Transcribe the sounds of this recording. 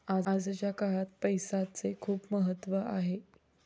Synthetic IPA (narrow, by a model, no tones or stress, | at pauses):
aad͡zt͡ɕjakaɦat̪̚pəjsat͡sekʰuːpməɦət̪ːʋəaɦe